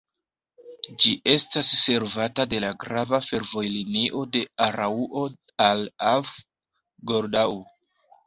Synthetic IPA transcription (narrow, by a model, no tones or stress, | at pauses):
d͡ʒiʔe̞stasːe̞ɾvatade̞laɡɾavafe̞ɾvo̞jliniʔo̞de̞aɾauʔo | alav | ɡo̞ɾdau